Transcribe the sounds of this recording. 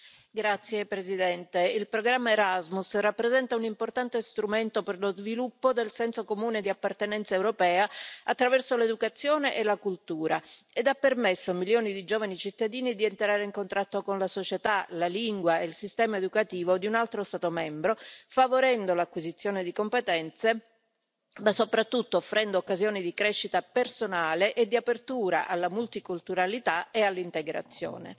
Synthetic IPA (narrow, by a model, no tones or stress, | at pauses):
ɡɾat̪sːjepɾezid̪ɛnt̪eilpɾoɡɾamːaeɾazmusrapːɾezɛnt̪aunimport̪ant̪est̪ɾument̪operlozvilupːod̪elsɛnsokomuːned̪iapːart̪enɛnt̪saewɾopɛːaat̪ːɾavɛrsoled̪ukat̪sːjoːneʔelakult̪uːɾaed̪apːermesːomiljoːnid̪id͡ʒoːvanit͡ʃit̪ːad̪iːnid̪ient̪ɾaːɾeiŋkont̪ɾat̪ːokonlasot͡ʃet̪alaliŋɡwaelsist̪ɛːmaed̪ukat̪iːvod̪iunalt̪ɾost̪aːt̪omɛmbɾofavoɾɛnd̪olakːwizit̪sːjoːned̪ikompet̪ɛnt̪se | masːopɾat̪ːut̪ːoːfːɾʔɛnd̪oːkːazjoːnid̪ikɾɛʃːit̪apersonaːleʔed̪ːiapert̪uːɾa̰ʔalːamult̪ikult̪uɾalit̪aealːint̪eɡɾa̰t̪sːjo̰ːnḛ